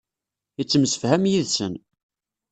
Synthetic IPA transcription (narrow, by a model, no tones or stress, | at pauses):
ət͡sːəmsə̥fhæmjiðsən